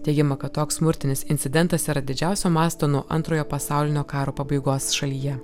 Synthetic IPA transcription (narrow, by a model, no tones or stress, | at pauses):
t̪ʲɛɪɡʲɪmɐkɐt̪toːkssmʊɾʲt̪ʲɪnʲɪsɪnʲt̪sʲɪd̪ʲɛnˑt̪ɐsiːɾɐd̪ʲɪd͡ʒʲæˑʊsʲoːmɑːst̪oːnuɔʔɐ̰nt̪ɾoːjoːpɐsɑˑʊlʲɪnʲoːkɑːɾoːpɐbɐɪɡoːsʃɐlʲiːjɛ